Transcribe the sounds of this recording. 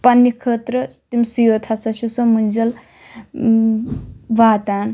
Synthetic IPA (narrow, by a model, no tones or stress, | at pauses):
pɐnːikʰət̪ɾət̪imʲsujot̪ʰasɐʃusomɨnzɐl | ʋaːt̪aːn